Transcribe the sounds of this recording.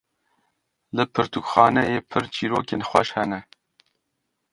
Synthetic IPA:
lɨpʰɨɾt̪ukxɑːnɛjeːpʰɨɾt͡ʃʰiːɾoːkeːnxʷɛʃhɛnɛ

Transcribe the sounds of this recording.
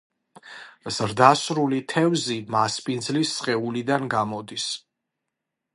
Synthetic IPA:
z̥ɾd̪asɾulit̪ʰɛvzimaspʼind̪zlisːχʼɛulid̪anɡamɔd̪is

